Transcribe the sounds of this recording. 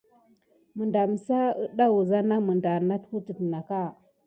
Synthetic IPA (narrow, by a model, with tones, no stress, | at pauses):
mə˨nda˨m˨sa˦ə˦ɗa˦wu˨za˦na˦mə˨nda˨na˦tku˦tə˨tna˨ka˦˨